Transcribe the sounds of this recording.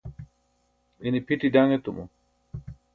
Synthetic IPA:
inipʰiʈidaŋet̪umṵ

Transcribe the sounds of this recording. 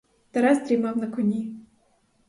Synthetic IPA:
t̪ɛɾɛzt̪ɾʲimɑwnɐkɔnʲi

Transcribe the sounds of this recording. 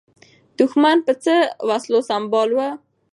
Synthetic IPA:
d̪̥uxmanpət͡səwaslosambɑlwə

